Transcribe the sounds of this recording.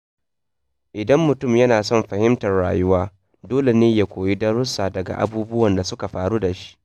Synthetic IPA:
ʔɪ˨dɐ˦mːʊ˨tʊ˦˨mjɐ˦naː˨sɔ˦mɸɐ˨hɪ˦mtɐ˨rɽa̰ː˨jʊ˦waː˦ | doː˦le˨neː˦jaː˦kʷoː˨ji˦dɐ˦ɾʊ˦saː˨dɐ˨ɡa̰˨ʔa̰˨buː˦bʊ˦wɐ˨nda˨sʊ˦ka˨ɸaː˨ɽu˦da˨ʃi̥˦ʔ

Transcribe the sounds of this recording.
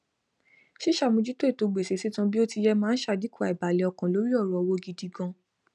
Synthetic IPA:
ʃi˦ʃa˦˨mũ˧d͡ʒi˦to˦e˦˨to˨˧ɡ͡be˨se˨˦si˨˦tũ˧bi˦o˦ti˧jɛ˧mãː˦n̩˦ʃa˧di˨˦ku˦a˨i˨ba˨li˨ɔ˧kã˨lo˨˦ɾi˦ɔ˦˨ɾɔ˨˧wo˧ɡi˧di˧ɡɔ̃˧

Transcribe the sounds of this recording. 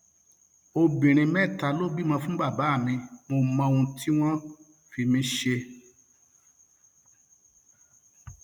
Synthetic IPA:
o˧bĩ˨ɾ̃ĩ˧mɛ̃˦˨ta˧lo˦ɡ͡bi˦mã˧fũ˦ba˦˨ba˨˦˨mĩ˧mo˧mã˧o˧ũ˧tʰi˦w̃ɔ̃˦ | fi˧mĩ˦ʃe˧

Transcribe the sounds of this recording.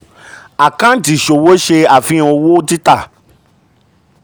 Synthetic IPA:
a˨kã˦ti˨ʃo˨wo˦ʃe˧a˨fĩ˧˦õ˧wo˦ti˦ta˦˨

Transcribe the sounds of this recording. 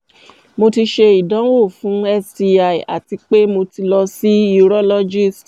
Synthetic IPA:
mo˧ti˧ʃe˧i˨dã˨˦wo˦˨fũ˨˦ɛ˧sti˧a˨i˨a̰˨ti˧k͡pe˦mo˧ti˧lɔ˧si˦i˦˧ɾɔ˦lɔ˦d͡ʒi˦˨st

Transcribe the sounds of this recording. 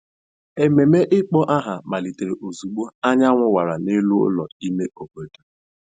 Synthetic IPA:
e˨me˨me˦ʔɪ˦k͡pɔ˦ʔa˦ɦa˨ma˨li˨te˨ɾe˨ʔo˨zu˨ɡ͡bo˦a˦ɲa˦ŋʷʊ˦wa˨ɾa˨nɪ˦lʊ˦ʊ̰˦lɔ̰˨i˦me˦o˨ɡo˨do˨

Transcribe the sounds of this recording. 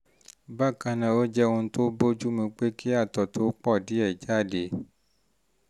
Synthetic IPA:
ba˦˨kã˧nã˨o˦d͡ʒɛ˦ũ˧˦to˦bo˦d͡ʒu˦mĩ˧k͡pe˦kʰi˦a˦˨tɔ˨to˦k͡pɔ˦˨di˨˦ɛ˦˨d͡ʒa˦˨de˨˦

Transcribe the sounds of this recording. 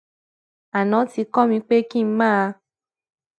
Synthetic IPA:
a˨nɔ̃˨˦ti˧kɔ˦mĩ˧k͡pe˦kĩ˦˨m̩˦mãː˦a˧

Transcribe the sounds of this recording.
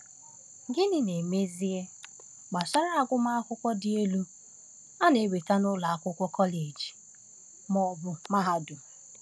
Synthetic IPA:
ɡɪ˦nɪ˨ne˨me˦zi˦e˦ | ɡ͡ba˨sa˦ɾa˦a˦ɡʷʊ˦ma˦a˦kʷʊ˦kʷɔ˦dɪ˨e˦lu˦ | a˦ne˨we˨ta˦nʊ˦la˨a˦kʷʊ˦kʷɔ˦kɔ˦le˨d͡ʒi̥˨ | mɔ˨bʊ˨ma˦ɦa˦dʊ˨

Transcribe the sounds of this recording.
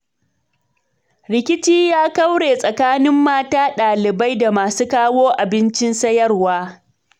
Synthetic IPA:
ɽɪ˨kʲɪ˦t͡ʃiː˦jaː˦ka˦wɽeː˨sʼɐ˨kaː˦nɪ˦mːaː˦taː˦ɗaː˨lɪ˨ba˦jda˨maː˨suː˦kaː˦woː˦ʔa˨bɪ˦nt͡ʃɪ˦nsɐ˦jɐ˦rwaː˦

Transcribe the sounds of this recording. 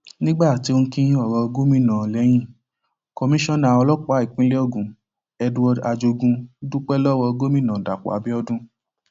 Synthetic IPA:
nĩ˦ɡ͡ba˦˨ti˧˦o˧˦kĩ˦ɔ˦˨ɾɔ˧ɡo˦mĩ˦˨nã˨lɛ˨˦j̃ĩ˦˨ | kɔ˧mĩ˦ʃɔ̃˦˨nã˨ɔ˧lɔ˦k͡pa˨˦˨i˨k͡pĩ˦lɛ˦o˦˨ɡũ˨ | ɛ˧dwɔ˧da˧d͡ʒo˧ɡũ˧˦du˦k͡pɛ˦lɔ˦˨wɔ˧ɡo˦mĩ˦˨nã˨da̰˨k͡pɔ̰˨a˨bi˦ɔ˦dũ˦

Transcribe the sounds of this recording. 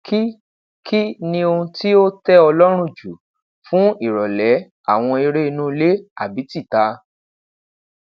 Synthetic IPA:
kʰi˦ | kʰi˦nĩ˧o˧ũ˧ti˦o˦tɛ˦ɔ˧lɔ˦ɾ̃ũ˦˨d͡ʒu˨ | fũ˦i˦˨ɾɔ˨lɛ˨˦ | a˦˨w̃ɔ̃˧i˧ɾe˦i˧nũ˦˧le˦a˨bi˨˦ti˦˨ta˧

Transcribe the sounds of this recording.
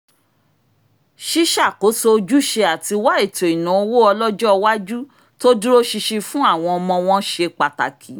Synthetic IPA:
ʃi˦ʃa˦˨ko˨˦so˧d͡ʒu˦ʃe˧a˨ti˧wa˦e˦˨to˨i˨nã˨o˧wo˦ɔ˧lɔ˦d͡ʒɔ˦˧wa˦d͡ʒu˦ | to˦dũ˦ɾo˦ʃi˧ʃi˧fũ˦a˦˨w̃ɔ̃˧ɔ˧mɔ̃˧w̃ɔ̃˦ʃe˧k͡pa˨ta̰˨kʰi˨˦

